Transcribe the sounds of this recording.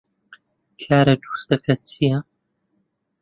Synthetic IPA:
kʰaːɾɐd̪u̥sd̪ɐkʰɐt͡sʰijɐ

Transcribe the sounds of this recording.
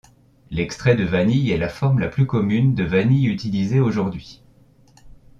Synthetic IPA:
lɛkst̪χɛd̪əvanijɛlafɔʁmlaplykɔmynd̪əvanijyt̪ilizeoʒuʁd̪ɥi

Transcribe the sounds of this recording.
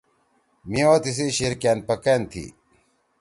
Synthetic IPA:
miot̪is̬iɕiɾkaːn̚pɐkent̪ʰḭ

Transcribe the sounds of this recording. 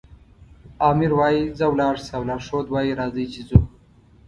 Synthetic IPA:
ɑːmiɾwɑːjizəwlɑːʐsawlɑːʂoːd̪wɑːjiɾɑːzit͡ʃizo

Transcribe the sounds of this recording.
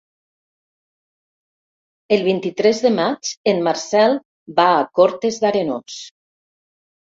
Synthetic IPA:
elˠβint̪it̪ɾɛzðemat͡ʃenmaɾsɛlˠ | baːkoɾt̪ezðaɾeno̰s

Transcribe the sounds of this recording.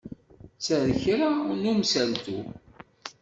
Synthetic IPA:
t͡sːəɾçɾanumsælt̪u

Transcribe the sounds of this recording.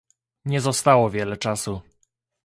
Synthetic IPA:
ɲɛzɔst̪awɔvʲjɛlɛt͡ʂasu

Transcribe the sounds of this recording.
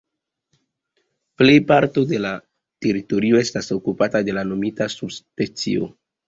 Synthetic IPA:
ple̞jpaɾto̞de̞la | te̞ɾito̞ɾio̞e̞staso̞kupatade̞lano̞mitasubspet͡sḭo̞̰

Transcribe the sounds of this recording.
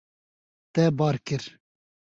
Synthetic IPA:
t̪ɛbɑːɾkɨɾ

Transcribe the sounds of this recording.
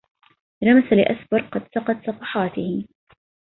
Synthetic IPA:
ɾˤɑmasalɪʔasbɑɾˤqɑd̪sɑqɑt̪sˤɑfɑħɑːt̪ɪhɪ

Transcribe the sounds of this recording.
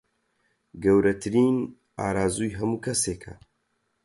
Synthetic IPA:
ɡɐwɾɐt̪ʰɨɾiːn | aːɾaːzuːjɦɐmuːkʰɐseːkʰɐ̰

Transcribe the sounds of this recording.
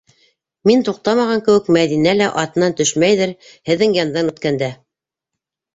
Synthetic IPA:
mint̪uq̚t̪ɑmɑʁɑŋkɘ̆wɘkmæðinælæʔɑt̪ɤ̆nɑnt̪ɵʃmæjðɘɾ | hɘ̆ðːɘŋjɑnd̪ɑnɵ̆t̪kænd̪æ

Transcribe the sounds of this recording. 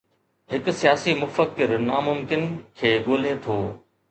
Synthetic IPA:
ɦɪkʊsijaːsimʊfəkɪɾnamʊmkɪnkʰeːɡoːlet̪ʰoː

